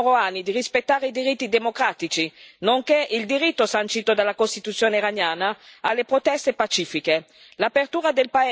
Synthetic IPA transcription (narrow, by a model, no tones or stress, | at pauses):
ɾoanːid̪irispet̪ːaːɾeid̪iɾit̪ːid̪emokɾaːt̪it͡ʃinoŋkeʔild̪iɾit̪ːosant͡ʃiːt̪od̪alːakost̪it̪ut̪sːjoːneiɾanjaːnaalːepɾot̪ɛst̪epat͡ʃiːfike | lapert̪uːɾad̪elpa